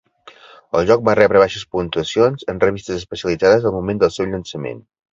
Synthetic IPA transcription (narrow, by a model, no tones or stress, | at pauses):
ə̰lˠʒɔk̚barɛβɾəβaʃəspunt̪uəsionzənrəβist̪əzəspəsiəlid͡zaðəzəlˠmumend̪əlˠsɛwʎənsəmḛn